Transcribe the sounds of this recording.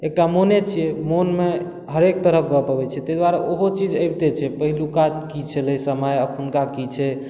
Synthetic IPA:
ek̚ʈamonet͡ʃʰiemonme | ɦəɾek̚t̪əɾəɡɔpəbɛt͡ʃʰɛt̪əjd̪waɾaʔoɦot͡ʃid͡ʒəjbt̪et͡ʃʰɛpəɦilukat̪kit͡ʃʰɛləjsəməjəkʰunkakit͡ʃʰɛ

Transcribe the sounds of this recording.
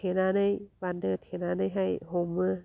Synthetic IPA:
enaːnɯjbandɯt̪ʰenaːnɯjɦajhomɯ

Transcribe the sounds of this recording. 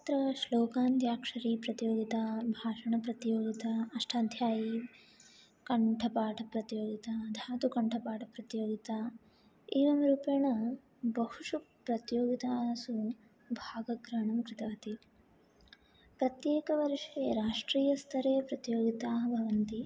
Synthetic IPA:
t̪ɾɐʃloːkaːnt̪jaːkʂɐɾiːpɾɐt̪joːɡit̪abʱaːʂɐɳɐpɾɐt̪joːɡit̪aːɐʂʈʰaːd̪ʱjaːji | kɐɳʈʰɐpaːʈʰɐpɾɐt̪joːɡit̪ad̪ʱaːt̪ukɐɳʈʰɐpaːʈʰɐpɾɐt̪joːɡit̪aː | iːʋɐmɾuːpeɳɐ | bɐhuʂupɾɐt̪joːɡit̪aːsu | bʱaːɡɐɡɾaːɳɐmkɾɪt̪ɐʋɐt̪i | pɾɐt̪jeːkɐʋɐɾʂeːɾaːʂʈɾiːjɐst̪ʰɐɾɐjɐpɾɐt̪joːɡit̪aːɦɐbʱɐʋɐnt̪i

